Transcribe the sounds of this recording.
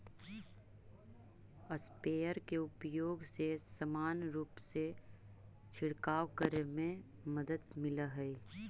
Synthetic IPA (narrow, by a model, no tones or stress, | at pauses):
əspeːjəɾkeʊpjoːɡsesəmaːnɾuːpse | t͡ʃʰɪɽkaːwkəɾemẽ | məd̪əd̪mɪləɦɛi